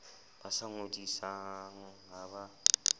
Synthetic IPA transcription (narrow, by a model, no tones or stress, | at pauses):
basaŋodisaŋ̩ɦaba